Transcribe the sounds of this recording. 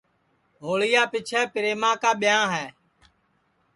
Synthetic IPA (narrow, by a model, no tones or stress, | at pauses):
ɦoːɭɪjaːpɪt͡ʃʰɛːpɪɾeːmãːkaːɓɪjãːɦɛː